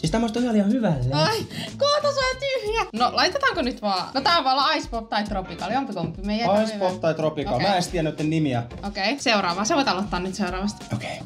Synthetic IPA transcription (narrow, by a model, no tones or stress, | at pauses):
ist̪æmːost̪ohjɑliɑhyʋælːeoikoht̪ɑsɑjɑt̪yhjænolɑit̪et̪ɑːŋkonyt̪ʋɑːnot̪æoʋɑːlːɑɑispop̚t̪ɑit̪ropikɑljompikompːimeijæɑispopt̪ɑit̪ropikɑlmæːest̪iænːyot̪ːennimiɑ | okeiseurɑːʋɑːseʋoit̪ɑlot̪ːɑːnyt̪seurɑːʋɑst̪oke̥i